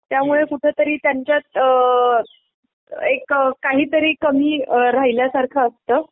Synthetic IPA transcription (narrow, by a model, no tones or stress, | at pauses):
t̪jamuɭekuʈʰeːt̪əɾiːt̪jaɲt͡ɕjat̪̚ | ekkːaɦiːt̪əɾiːkəmiːɾaɦiljasaɾkʰəːst̪əː